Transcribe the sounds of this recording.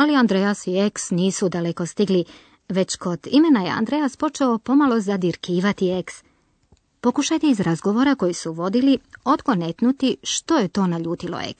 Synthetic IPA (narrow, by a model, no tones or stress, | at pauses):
aliand̪ɾejasie̞ksniːsud̪ale̞ko̞st̪iɡli | ʋe̞t͡ɕko̞d̪̥ime̞naje̞̰a̰nd̪ɾe̞jaspo̞t͡ʃeo̞po̞malo̞zad̪iɾkiːʋat̪ie̞ks | po̞kuʃajt̪eizɾazɡo̞ʋo̞ɾako̞jisuʋo̞d̪ilio̞d̪ɡo̞net̪nut̪iʃt̪o̞je̞t̪o̞ːnaʎuːt̪ilo̰ḛks